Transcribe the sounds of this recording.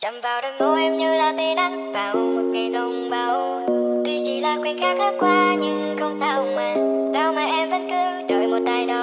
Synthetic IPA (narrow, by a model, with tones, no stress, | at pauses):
t͡ɕə˨˩wŋ͡mvaː˨˩wɗɨ˨˩ək̚ʔo˧˦ʔɛ˧mɲɨ˧laː˨˩t̪e˨˩na˧mvaː˨˩wmo˨˩t̚ki˧˩zʊ˨˧˩ŋ͡mɓa˧˩w | t̪i˧˩zi˨˩laː˨˩kwi˧˦nxaː˦˥k̚haː˦˥p̚kwaː˧ɲɨ˧ŋxə˧wŋ͡msaː˧˩ʔʊ˨˩ŋ͡mmə˨˩nza˧˩wmaː˨˩ʔɛ˧mzə˦˥t̚kɨ˧ɗo˨˩jmo˨˩t̚ɗ̪aː˨˧˩jɗo˨˩